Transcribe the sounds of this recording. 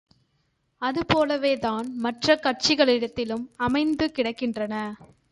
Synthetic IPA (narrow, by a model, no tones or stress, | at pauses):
ɐðɯpoːlɐʋeːðaːnmɐʈrɐkɐʈ̚t͡ʃɪɣɐɭɪɽɐt̪ːɪlɯmɐmɐɪnd̪ɯkɪɽɐkːɪndrɐnɐ